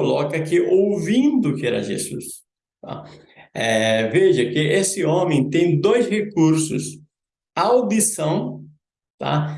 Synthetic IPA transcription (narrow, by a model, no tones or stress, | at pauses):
olɔkɐkɪʔowvĩnd̪ʊkɪɛɾɐ̰ʒḛzṵs | t̪a̰ | ɛveʒɐkɪʔesɪõmẽj̃t̪ẽj̃d̪ojshekuɾsʊ̰s | awd̪isɐ̃w̃ | t̪a̰